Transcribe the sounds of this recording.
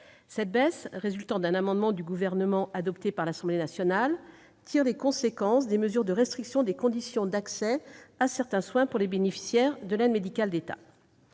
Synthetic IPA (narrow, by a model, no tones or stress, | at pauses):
sɛt̪̚bɛsʁezylt̪ɑ̃d̪ɛ̃namɑ̃d̪mɑ̃d̪yɡuvɛʁnəmɑ̃ʔad̪ɔpt̪epaʁlasɑ̃blenasjɔnal | t̪ʰiʁlekɔ̃sekɑ̃sd̪eməzyʁd̪əʁɛst̪χiksjɔ̃d̪ekɔ̃d̪isjɔ̃d̪aksɛasɛʁt̪ɛ̃swɛ̃puʁlebenefi̥sjɛʁd̪əlɛd̪med̪ikald̪et̪a̰